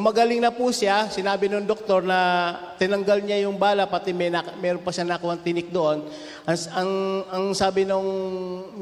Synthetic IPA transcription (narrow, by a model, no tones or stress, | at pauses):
mɐɡɐlɪŋnɐpusasɪnaːbɪnoŋd̪ok̚t̪o̞ɾnɐ | t̪ɪnɐŋɡalɲajʊŋbaːlɐpɐt̪ɛmɛjnamɛːɾonpɐʃanakʊhɐŋt̪ɪnɪk̚d̪oʔo̞n | ʔɐʔɐŋɐŋsaːbɪnoŋ